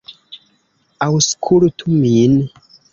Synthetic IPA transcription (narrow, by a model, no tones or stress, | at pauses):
awuskʰulutʰumini